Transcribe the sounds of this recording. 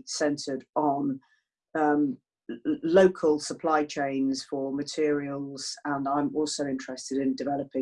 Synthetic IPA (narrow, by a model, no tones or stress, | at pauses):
sɛ̃ntʰədn̩ | ʌ̃m | ləʊkʰəlˠsəpʰl̥aɪt͡ʃʰẽɪ̃nz̥fəmətʰɪəɹiəlˠz̥ə̃nãɪ̃mɔˑlˠsəʊɪ̃nt͡ʃɹ̥ɛstɪdɪ̃ndɪvɛləpɪ̃